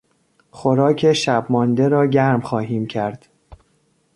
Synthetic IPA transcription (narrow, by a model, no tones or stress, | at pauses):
xoɾɒːcʰeʃæbmɒːnd̪eɾɒːɟæɾmxɒːɦiːmcʰæɾd̪̥